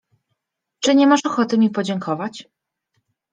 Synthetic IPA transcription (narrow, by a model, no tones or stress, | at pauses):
t͡ʂɘɲɛmaʂɔxɔt̪ɘmʲipɔd͡ʑɛŋkʰɔvat͡ɕ